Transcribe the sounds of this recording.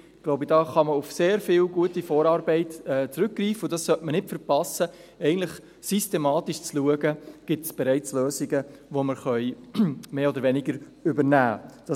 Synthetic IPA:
ɡ̥loʊbəd̥ɑːχɑməufseːɾfɪlɡuətifoːɾɑːɾbɛɪtɛːt͡sɾʏk̚ɡriːfəʊd̥ɑssœtmənɪtfəɾpɑsə | ɛɪɡən̩tləχ | systemɑːtiʃt͡sluəɡəɡ̥ɪtsb̥ɛɾɛɪt͡sløːzɪɡəʋoməɾχœʏmeːɔd̪əɾʋɛnɪɡəɾ | ʏbəɾnæːd̥ɑ

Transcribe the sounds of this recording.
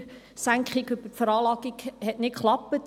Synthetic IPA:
sæŋkχiɡøbəfəɾɑːlɑːɡiɡhɛtnɪtkχlɑpːət

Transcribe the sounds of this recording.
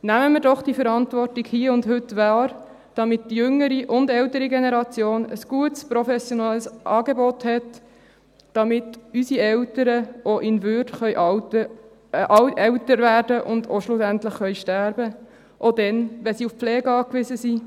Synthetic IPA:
næməmɪɾdɔχd̥ifəɾɑntvɔrtiɡhiːəʊndɦʏtːʋɑːɾ | d̥ɑmɪtd̥ijʏŋːəɾiʔʊndɛltəɾiɡenɛɾɑt͡sjoːnə̰sɡ̥uətspɾɔfɛsjonɛlːsʔɑːɡebɔthɛt | d̥ɑmɪtysiɛltəɾəʔoʔɪnvʏɾdχœjʔə | ɛwtəɾvæːrdəʔʊndoʃlʊsæntlɪχχœʏʃtæɾbə | ʔodɛnʋɛnsiufflɛːɡəɑːkʋɪzəsi

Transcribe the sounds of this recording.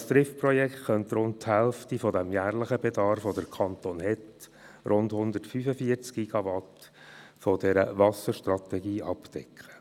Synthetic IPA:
st̪ɾɪfprɔjɛktχœnt̪ɾʊnt̚thɛlftifɔdɛmjæːɾləχəbɛdɑɾfʋodəɾkʰɑnt̪oːnhɛt̪ | ɾʔʊndhʊnd̪ətfyfəfiəɾt͡skɡiɡ̥ɑʋɑt̪ | fɔdɛɾə̰ʋɑsəɾʃtɾɑt̪ɛɡiːʔɑptɛkχə̥

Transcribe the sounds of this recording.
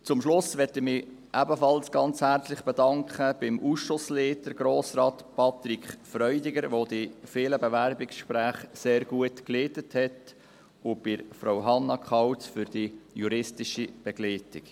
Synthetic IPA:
t͡sʊmʃlʊsʋɛtɪχmɪ | ʔæbəfɑlsɡ̥ɑnt͡shæɾt͡slɪχb̥ɛdɑŋkχəb̥ɪmʔuːsʃʊsleːtəɾɡ̥ɾoːsɾɑːtpʰɑt̪ɾikχfɾœʏdɪɡəɾʋoːd̪ifɪːləbɛʋæɾbɪksʃpɾæːχseːɾɡ̥uətkleːtəthɛt | ʊb̥ɪɾfɾawɦɑnːɑkʰχɑwt͡sfʏɾd̥ijuɾɪstɪʃib̥ɛɡ̥leːtɪk

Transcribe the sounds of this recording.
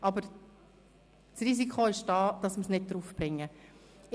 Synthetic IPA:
ʔɑbəɾ | sriːz̬ikχoɪʃd̥ɑːd̥ɑsməsnɪd̚dɾuːfb̥ɾɪŋːə

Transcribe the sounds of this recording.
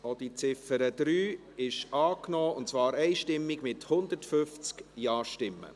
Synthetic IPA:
od̥̪it͡sɪfəɾəd̪̥ɾyː | ɪʃɑːknɔːʊntt͡svɑːɾɛɪʃtɪmːiɡmɪthʊnd̪ətfʏft͡skjɑːʃtɪmːə̰

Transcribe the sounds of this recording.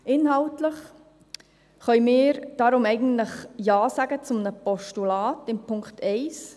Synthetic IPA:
ɪnɦɑltləχ | χœʏmɪːɾd̥ɑɾʊmɛɪɡən̩tləχjɑːsaɡət͡sʊmnəpɔʃtulaːtɪmpʰʊŋkχtʰɛɪs

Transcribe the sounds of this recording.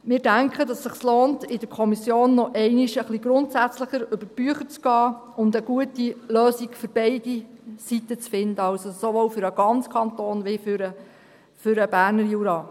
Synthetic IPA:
mɪːɾdæŋkχədɑsːəχsloːntɪd̥əɾkʰɔmisjoːnːɔʔɛɪniʃəχliɡɾʊntsæt͡sləχəɾʏb̥əɾb̥yəχəɾt͡sɡ̥ɑː | ʊnd̪əɡ̥uətiløːsiɡfʏɾb̥ɛɪdisit̪ːət͡sfɪnd̪əɑlsosoʋoːwfʏɾəɡ̥ɑnt͡skʰɑntoːnʋɪfyɾə | fʏɾəbæːɾnəɾjuɾɑː

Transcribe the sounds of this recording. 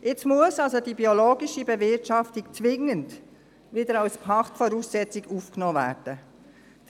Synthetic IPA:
ʔɪt͡smuəsɑlsodibioloːɡiʃibevɪtɑftikt͡sʋɪŋənd | ʋɪdəɾawspʰɑχtfɔɾuːsːɛt͡siɡuːfknoːvæ̰ːɾd̥ə

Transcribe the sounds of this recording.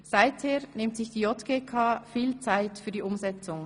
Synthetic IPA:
z̥aɪtheːɐnɪmtsɪçd̥iːɔtɡ̥eːkʰaːfiːlt͡saɪtfyːɐdiːʔʊmzɛt͡sʊŋ

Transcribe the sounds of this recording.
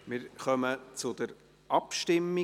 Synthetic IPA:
mɪɾχœmət͡sʊd̪əɾ | ʔɑpʃtɪmːi

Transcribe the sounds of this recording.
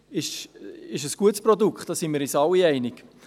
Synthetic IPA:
ɪʃɪʃəsɡ̥uətsprɔdukχtd̥ɑːsinmiɾisɑliɛɪnɪk

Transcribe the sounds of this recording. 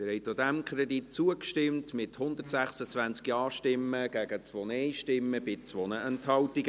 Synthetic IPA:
mɪɾhɛɪtodæmkʰɾɛditt͡suəkʃtɪmtmɪthʊnd̪ərtsæχsət͡sʋænt͡skiɑːʃtɪmːəɡ̥æɡət͡sʋɔnɛjʃtɪmːəbɪt͡sʋɔnəɛnthɑltiɡə

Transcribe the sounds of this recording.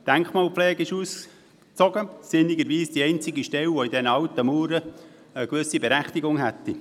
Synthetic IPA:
d̥æŋkχmɑːlpflɛːɡɪʃuːs | t͡sɔɡəsɪniɡəɾʋiːsd̥iɛɪnt͡sɪɡiʃtɛwʋɔidɛnəɑwtəmuːɾə | əkʋɵsibɛɾæχtiɡʊŋɦæt̪ːi

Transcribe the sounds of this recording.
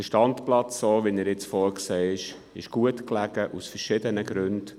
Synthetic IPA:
əʃtɑntplɑt͡sːoːʋinəɾɪt͡sfɔːɾkseːɪʃ | ɪʃɡ̥uətklæɡ̥əʔusfəɾʃɪdənəɡɾʉnd̥

